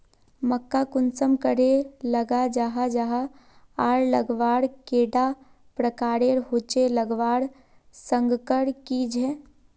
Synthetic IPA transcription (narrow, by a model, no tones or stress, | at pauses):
məkːakʊnsəmkəɾeləɡad͡ʒaːɦad͡ʒaɦa | aːɾləɡʋaːɽkeːɖa | pɾəkaːɾeɾɦot͡ʃeləɡʋaːɽ | sə̃ŋɡkəɽkid͡ʒʱɛː